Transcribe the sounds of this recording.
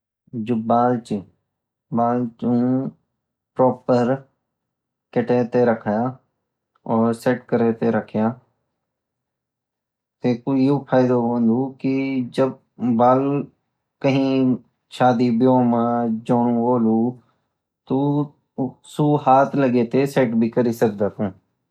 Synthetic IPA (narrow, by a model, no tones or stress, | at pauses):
d͡ʒobaːlt͡ʃː | baːlt͡ʃũ | pɾɔːpəɾ | kɪʈẽːt̪eɾəkʰaːjaː | ɔːɾseʈkəɾeːt̪eɾəkʰjaː | t̪ekujuːpʰaːɪd̪obə̃nd̪ukid͡ʒəb̚ː | aːl | kəɦĩ | ʃaːd̪ibjoːmãd͡ʒoːɽũoːluː | t̪o | suːɦaːt̪ʰləɡet̪eseːʈbʱikəɾisək̚d̪aːk̪ũː